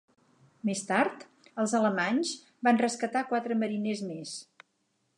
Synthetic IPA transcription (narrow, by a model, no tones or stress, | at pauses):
mest̪aɾt̪ | əlˠzələmaɲz | banrəskət̪akwat̪ɾəməɾinezmes